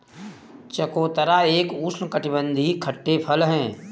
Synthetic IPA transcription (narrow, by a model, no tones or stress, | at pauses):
t͡ʃəkoːt̪əɾaeːkuːsnkəʈɪbə̃nd̪ʱikʰəʈːepʰəlɦɛ̃ː